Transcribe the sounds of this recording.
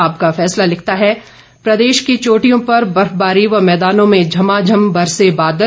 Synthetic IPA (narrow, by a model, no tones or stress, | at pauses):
aːpkafɛːslalɪk̚ʰt̪aɦɛ | pɾɐd̪eːʃkit͡ʃoːʈijõpɐɾbɐɾfbaːɾiʋɐmɛːd̪aːnõmẽd͡ʒʱɐmad͡ʒʱɐmbɐɾsebaːd̪ə